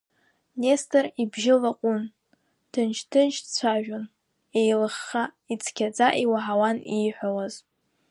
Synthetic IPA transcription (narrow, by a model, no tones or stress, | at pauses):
ne̞stʼɨribʒɪlaqʷʼʊn | d̥ʰɨnt͡ʃʰtʰɨnt͡ʃʰt͡sʷʰaʒᶣʊn | ejlɨχːa | it͡sʰkʲʰad͡zʼaʔiwaʕawaniħʷawaz̥